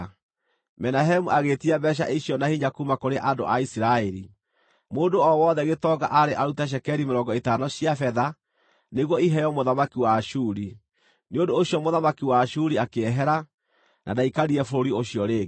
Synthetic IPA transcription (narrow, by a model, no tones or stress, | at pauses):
mɛnaɦɛmuʔaɣetiabɛɕ̬a̰ʔiɕiɔnahiɲakumakoɾeʔadoʔaisiɾaɛɾi | moːndoɔwɔðɛɣetɔɡa̰ʔaɾeʔaɾutaʃ̬ɛkɛɾimeɾɔŋɡɔetaːnɔɕiafɛða | neɣwɔiɦɛjɔmoðamakiwaʃuːɾi | neondoːɕjɔmoðamakiwaʃuɾiakeɛɦɛɾa | nʔadaikaɾiɛfoɾoɾioɕijɔɾeːɣ